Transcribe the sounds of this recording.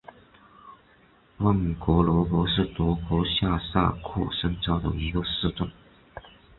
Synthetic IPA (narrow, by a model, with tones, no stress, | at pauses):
wa˥˩ŋ˨˩kwɔ˧˥lɔ˧˥pwɔ˧˥ʂɻ̩˥˩t̪wɔ˧˥kwɔ˧˥ɕja˥˧sa̰˥˧kʰɔ̰˥˩ʂɤ˥ŋʈ͡ʂɑ˥ʊd̪ə̰˨˩i˧˥ko˥˧sɹ̩˥˧ʈ͡ʂʊ˥˩ŋ